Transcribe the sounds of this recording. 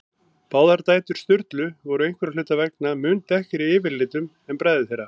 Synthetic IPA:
paːwðaɾt̪aːjt̪ʏɾ̥st̪ʏɾt̪lʏvɔɾʏejŋkvɛɾalʏːt̪avɛk̚namʏnt̪ɛhcɪɾiɪːvɪɾlɪːt̪ʏm | ɛmpɾaːjðɪθejɾːa

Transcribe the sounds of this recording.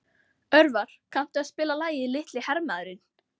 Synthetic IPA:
œɾvaɾ̥kʰam̥t̪ʏaðspɪːlalaːjɪilɪht̪lɪhɛɾmaðʏɾɪn

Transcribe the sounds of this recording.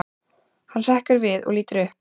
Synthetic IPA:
hansɛhkʏɾvɪðɔ̰ɣliːt̪ʏɾʏhp

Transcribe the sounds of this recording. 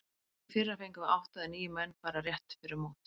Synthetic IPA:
fɪɾafejŋkʏvaɾawht̪aðɪniːjʏmɛnːpaːɾarjɛht̪fɪɾɪɾmoːt̪

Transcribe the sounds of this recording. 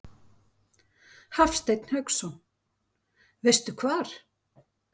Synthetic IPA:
hafst̪ejt̪n̥hœksɔ | vejst̪ʏkʰvaːɾ̥

